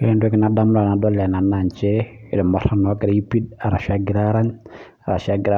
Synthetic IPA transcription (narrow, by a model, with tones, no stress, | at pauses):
kɛ˨ndwɛ˦kɪ˦na˨da˦mʊ˦la˨na˨dɔ˦lɛ˨na˨na˨ɲt͡ʃɛ˦˨ | ɾɛ˨mɔ˨ɾa˨nɔ˨˦kɪ˨ɾi˦pi˦da˨ɾa˨ʃa˦ɡɪ˨ɾa˦ɾa˦ɲ | a˨ɾa̰˨ʃa˦ɡɪ˦ɾa˦